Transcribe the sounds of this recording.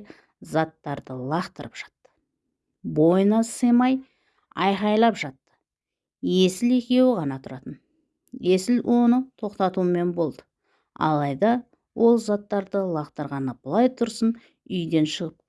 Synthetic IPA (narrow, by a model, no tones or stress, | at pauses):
zɑt̪ːɑɾd̪əlˠɑqt̪əɾəpʒ̥ɑ̥t̪ːə̥ | bo̞jənɑsəjmɑj | ɑjqɑjlˠɑpʒɑt̪ːə̥ | je̞sɪle̞kʲe̞wɪʁɑnɑt̪ʰʊɾɑt̪ən | e̞sɪlwʔo̞nət̪ʰo̞qt̪ɑt̪uəme̞nbo̞lˠd̪ə | ɑ̰lˠɑjd̪ɑ | wʔo̞lˠzɑt̪ːɑɾd̪əlˠɑqt̪əɾʁɑnəb̥əlˠɑjt̪ʰʊɾsən | ʏjd̪e̞nʃəʁəp̚